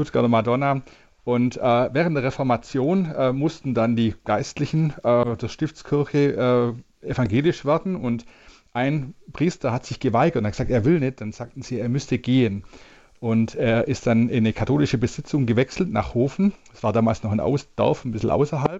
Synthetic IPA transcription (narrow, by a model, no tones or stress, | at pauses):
tʊtɡ̥aɐtəmadɔna | ʔʊntʔɛːvɛːʁ̞əntdeːɐʁɛfɔɐmat͡sjoːnʔɛmʊstn̩dandiːɡ̥aɪstlɪçn̩ʔɛːdeɐʃtɪft͡skʰɪɐçəʔɛː | ʔefaŋɡeːlɪʃv̥ɛːɐdn̩ʊnt | ʔaɪnpʁ̥iːstɐhatz̥ɪçɡ̥əvaɪɡɐtʊnaɡə̥zaːk̚teːɐvɪlnɪt̚d̥anz̥aːk̚tn̩z̥iːeːɐmʏstəɡeːən | ʔʊnteːɐʔɪstd̥anɪnəkʰatʰoːlɪʃəbəz̥ɪt͡sʊŋɡəvɛksl̩tna̰ːχhoːfn̩̥sv̥aːɐdaːmaːlsnɔχaɪnʔa̰ʊsd̥ɔ̰ɐfnbɪsl̩ʔa̰ʊsɐɦalp̚